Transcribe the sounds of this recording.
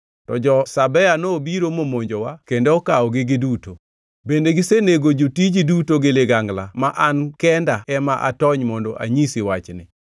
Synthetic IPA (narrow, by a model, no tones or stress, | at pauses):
tɔd͡ʒɔsabɛanobiɾomomoɲd͡ʒowakendoɔkaɔɡɪɡɪduto | bendeɡɪseneɡod͡ʒotid͡ʒidutoɡɪlɪɡaŋɡlamaʔankɛndaɛmaʔa̰tɔɲmɔndɔ̰ʔa̰ɲisiwat͡ʃnɪ̰